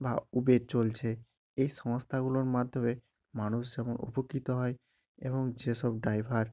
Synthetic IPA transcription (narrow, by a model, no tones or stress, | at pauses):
baubeɾt͡ɕolt͡ɕʰe | ejʃɔŋst̪ʰaɡuloɾmad̪ʱome | manuʃd͡ʑɛmonṵpokːit̪oɦɔe | eβoŋd͡ʑeʃɔb̚ɖajbʱaɾ